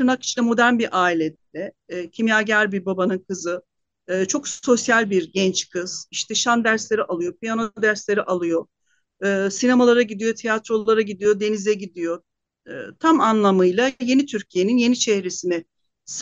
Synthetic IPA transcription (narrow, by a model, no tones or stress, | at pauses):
t̪ɯnaki̥t͡ʃlʲɛmo̞d̪æɾnbiɾʔaːilʲet̪lɛcʰimjaːɟæɾbiɾbabanɯnkʰɯzɯ | t͡ʃʰo̞kso̞sjalʲbiɾɟɛnt͡ʃkʰɯz̥iʃt̪ʰɛʃand̪æɾslʲeɾiʔalˠɯjo̞p̚ʰijanod̪æɾslʲe̞ɾiʔalˠɯjo̞ | ɯːsinemalˠaɾaɟid̪ijo̞t̪ʰejat̪ɾo̞lˠaɾaɟid̪ijo̞d̪e̞nizɛɟid̪ijo̞̰ | t̪ʰamanlˠamɯjlˠaje̞nit̪ʰyɾcʰije̞ninje̞nit͡ʃʰɛhɾesinɛ | s